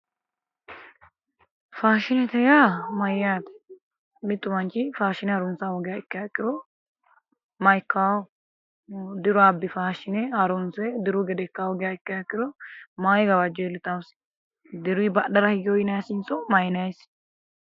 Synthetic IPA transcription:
faːʃɪnɛt̪ɛjamɐjaːt̪ɛ̥ | mɪt̪ʼːʊmɐnt͡ʃːɪfaːʃɪnɛɐɾʊnsawɔɡɪjaːɪkːɪjakʼːɪd̪ɔ | mɐjkːaːw | d̪ɪɾʊɐbːɪfaːʃɪnɛɐɾʊnsɛd̪ɪɾʊɡɛd̪ɛkːawɔɡɪjaɪkːɪjakʼːɪd̪ɔmaːjɡɐbɐd͡ʒːɛlɪt̪ɐwʊs | d̪ɪɾʊibɐɗɐɾɐhɪɡɪjɔjɪnɐjasɪnt͡sʼɔmɐjnɐs

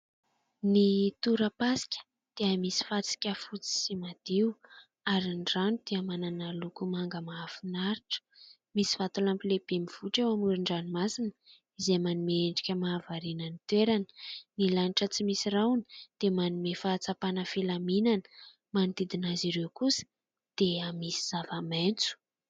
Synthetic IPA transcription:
nit̪uɾəpasi̥kʲə̥ | d̪̥eəmisi̥fat͡si̥kʲəfut͡si̥simad̪̥iw | aɾinɖ͡ʐanud̪̥eamananalukumaŋɡəmaafinaɾiʈ͡ʂə̥ | misi̥fat̪ulampileb̥emiv̥uʈ͡ʂewamuɾiɳɖ͡ʐanimasinə | izemanimeeɳɖ͡ʐikʲəmaːvaɾinənit̪weɾanə̥nilaniʈ͡ʂət͡simisirawni̥d̪̥emanumefaːt͡sapanəfilaminanə̥ | manid̪id̪inaziɾewkusə̥ | d̪̥eamisi̥z̥avament͡su̥

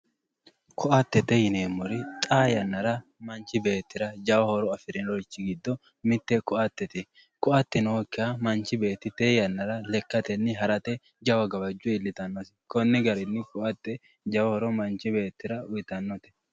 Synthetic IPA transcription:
kʰɔʔɐt̪ːɛt̪ːɛjɪneːmːɔɾɪt̪ʼaːjɐnːɐɾɐmɐnt͡ʃːɪbe̞ːt̪ːɪɾɐd͡ʒɐwɐhɔɾɔɐfɪɾɛnɾɔɪt͡ʃːɪɡɪd̪ːɔ | mɪt̪ːɛkʼʊʔɐt̪ːɛt̪ɛ | kʼʊɐt̪ːɛnoːkːɪɐmɐnt͡ʃːɪbe̞ːt̪ːɪt̪ejɐnːɐɾɐlɛkːɐt̪ɛnːɪɦɐɾɐt̪ɛ | d͡ʒɐwɐɡɐbɐd͡ʒːʊɪlːɪt̪ɐnːɔsɪ̥kɔnːɪɡɐɾɪnːɪkʼʊʔɐt̪ːɛ | d͡ʒɐwɐhɔɾɔmɐnt͡ʃɪbe̞ːt̪ːɪɾɐʊjɪt̪ɐnːɔt̪ɛ̥

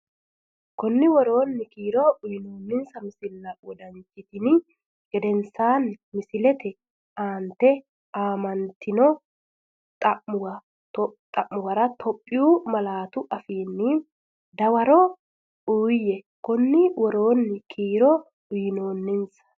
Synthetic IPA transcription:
kɔnːɪwɔɾo̞ːnːɪkiːɾɔʔʊjɪnoːnːɪnsɐmɪsɪlːɐwɔd̪ɐnt͡ʃːɪt̪ɪn | ɡ̥ɛd̪ɛnsaːnmɪsɪlɛt̪ɛ | aːnt̪ɛ | aːmɐnt̪ɪnɔ | t̪ʼɐʔʊwɐ | t̪ʼɐʔːʊwɐɾɐt̪ʰɔpʼːɪjuːmɐlaːt̪ʊʔɐfiːnːɪ | d̪ɐwɐɾɔ | uːjɛ | kɔnːɪwɔɾo̞ːnːɪkʰiːɾɔ | ʊjɪno̞ːnːɪnsɐ̥

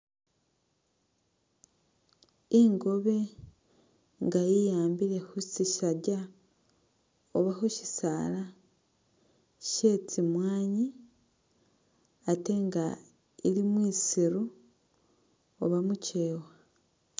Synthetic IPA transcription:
iŋɡo̞βe | ŋɡajijaːmbiɾe̞husiʃaɾɟa | oβahuʃi̥saɾa | ʃe̞ːt͡simwaːɲi | ate̞ŋɡa | iɾimwiːsiɾu | oβamuce̞ːwa

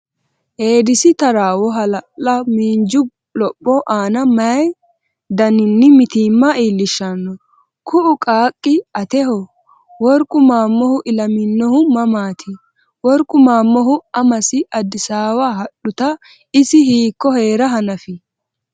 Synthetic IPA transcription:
ʔeːd̪ɪsɪt̪ɐɾaːwɔɦɐlɐɐmiːnd͡ʒʊ | lɔpʼːɔʔaːnɐmɐj | d̪ɐnɪnːɪmɪt̪iːmːɐiːlːɪʃːɐnːɔ | kʰʊʔʊkʼaːkʼːɪɐt̪ɛhɔ | wɔɾkʼːʊmaːmːɔhʊʔɪlɐmɪnːɔhʊmɐmaːt̪ʰɪ | wɔɾkʼʊmaːmːɔɦʊɐmɐsɪɐd̪ːɪsaːwaːhɐɗʊt̪ɐ | ɪsɪhiːkːɔhe̞ːɾɐɦɐnɐfɪ

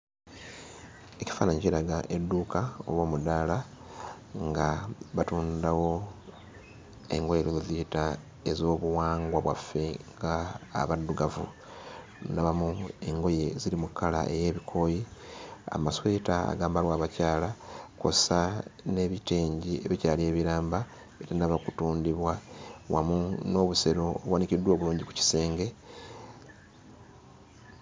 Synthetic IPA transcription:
e̞ci̥faːnaɲɟeːɾaɡaʔe̞dːuːkao̰βwo̞ːmudaːla | ŋɡaβatuːndawo̞ | e̞̰ŋɡo̞je̞ɾoloziita | ezo̞ːβuwaːŋɡwaβwa̰fːe̞ŋɡa̰ːβadːuɡavṵ | naβamue̞ŋɡo̞je̞zilimukːala̰ʔe̞̰je̞ːβikʰo̞ːjia̰maswe̞ːtaa̰ɡaːmbalwaːβacaːlako̰sane̞βite̞ːɲɟie̞βicaːlie̞ːβiɾaːmba | etanaβakutuːndiβwawa̰muno̞ːβuse̞ɾo̞ːβwanicidwo̞ːβuluːɲɟiku̥ci̥se̞ːŋɡe̞

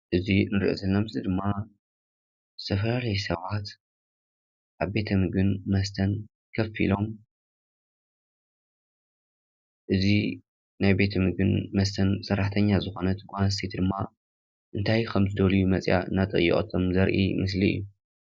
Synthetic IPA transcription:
ʔɨzinɨɾʔo̰zɐlːɐmɨzid̪ɨmːa | zɨt̪ʰɐfɐlalɐjsɐβat̪ | ʔaβbe̞t̪ʰɐmɨɡɨnmɐst̪ʰɐn | kʰɐfḭlo̞m | ʔɨzi | najbe̞t̪ʰɐmɨɡɨnmɐst̪ʰɐnsɐɾːaħt̪ʰɐɲːazɨxo̞nɐt̪ɡanst̪ʰet̪d̪ɨmːa | ʔɨnt̪ʰajkʰɐmzɨd̪ɐlijumɐt͡sʼja̰ɨ̰nːat̪ʼɨ̰jːḭχʼt̪ʰomzɐɾʔḭmɨs̬liɨ̰jːu

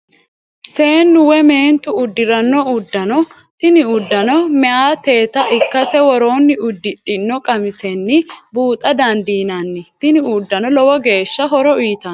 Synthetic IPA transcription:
se̞ːnːʊwɛme̞ːnt̪ʊʊd̪ːɪɾɐnːɔʊd̪ːɐnɔ | t̪ɪnɪʊd̪ːɐnɔmɛʔaːt̪e̞ːt̪ɐʔɪkːɐsɛwɔɾo̞ːnːɪʊd̪ːɪt̪ʼːɪnːɔkʼɐmɪsɛnːɪbuːt̪ʼɐd̪ɐnd̪iːnɐnːɪt̪ɪnɪʊd̪ːɐnɔlɔwɔɡe̞ːʃːɐɦɔɾɔiːt̪ɐn

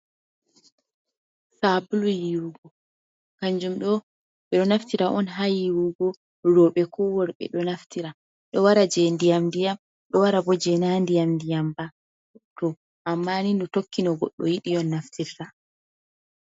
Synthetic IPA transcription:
sabulujiɾuɡɔ | kaɲd͡ʒumɗɔ | ɓɛɗɔnaftiɾaʔɔnɦajiwuɡɔ | ɾɔɓɛkʰɔwɔɾɓɛ̰ɗɔnaftiɾa | ɗɔwaɾad͡ʒɛndijamdijam | ɗɔwaɾabɔd͡ʒɛnandijamdijamba | tɔ | ʔamːanindɔtokːinɔɡɔ̰ɗːɔ̰jiɗijɔnːaftiɾta

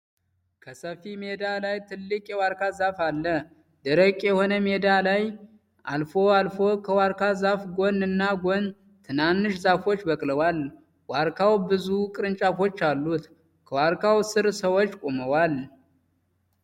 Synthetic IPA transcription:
kʰəsəfimed̪alajt̪ʰɨlːɨkʼjɛwaɾkʰazafalːə | d̪əɾəkʼjɛho̞nəme̞d̪alaj | a̰lfo̞alfo̞kʰəwaɾkʰazafɡonɨnːaɡo̞n | t̪ʰɨnanːɨʃzafot͡ʃːbəkʼləwal | waɾkʰawbɨzukʼɨɾɨnt͡ʃʼafo̞t͡ʃːalːut̪ | kʰəwaɾkʰawsɨɾsəwo̞t͡ʃːkʷʼoməwal

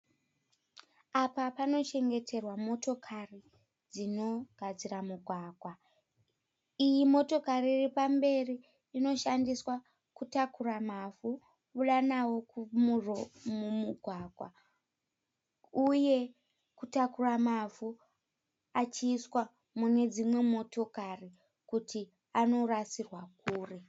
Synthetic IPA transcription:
apapano̞t͡ʃe̞ŋɡe̞tʰe̞rwamo̞to̞kʰari | d͡zino̞ɡ̥ʱad͡ziramuɡʱwaːɡʱwa | ijimo̞to̞kariripambe̞riː | no̞ʃandiswa | kutakuramavu | uɗanawo̞kumuromumuɡʱwaɡ̥ʱwa̰ | uje̞ | kutakuramafu | at͡ʃiːswa | mune̞d͡zimwe̞mo̞to̞kari | kutʰi | ano̞rasirwakuːre̞

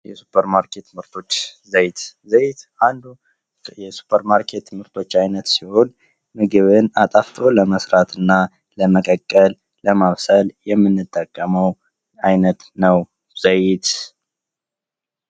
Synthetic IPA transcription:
jɛsu̥pʰːəɾmaɾkʰe̞t̪ʰːmɨɾt̪ʰo̞t͡ʃːzəjt̪zəjt̪ʔand̪u | jɛsu̥pʰəɾmaɾkʰe̞t̪ːmɨɾt̪ʰo̞t͡ʃːajnət̪siho̞n | mɨɡɨβɨnat̪ʼaft̪ʰo̞ləməsɾat̪ʰɨnːa | ləməkʼəkʼːəl | ləmaβsəljɛmːɨnːɨt̪ʼːəkʼːəməw | ajnət̪nəw | z̥əjɪt̪

